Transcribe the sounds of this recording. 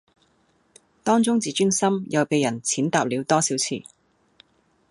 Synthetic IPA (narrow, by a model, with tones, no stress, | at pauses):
t̪ɔː˥ŋt͡sʊ˥ŋt͡siː˨t͡ʃy˥ŋsɐ˥mjɐ˨˩wpe˨jɐ˨˩nt͡sʰiː˨˥nt̪aː˨˧p̚liː˨˧wt̪ɔː˥siː˨˥wt͡sʰḭː˨˩